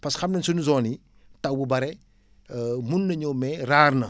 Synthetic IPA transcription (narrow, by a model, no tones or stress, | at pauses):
pɐsxɐmnɐnsunuzɔːni | tɐwbubɐɾɛ | munːɐɲɔmɛraːrnɐ